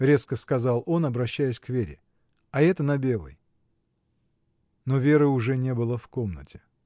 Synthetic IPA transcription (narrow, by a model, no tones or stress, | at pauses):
ɾʲe̞skəskɐzɑlˠo̞nɐbɾɐɕːæjɪsʲkvʲeɾʲɪ̰ | ɐɛt̪ənɐbʲe̞lˠə̰j | novʲe̞ɾɨʊʐɛnʲe̞bɨlˠəfko̞mnə̰tʲɪ̥